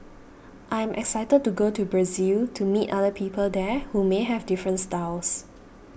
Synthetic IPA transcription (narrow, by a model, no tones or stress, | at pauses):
ʔãjɛ̃mʔɛ̰ksajtəd̚tuɡotubɹaziltʰumitadəpʰiːpʰəldɛhumeɦɛvdifɹə̃ntstaws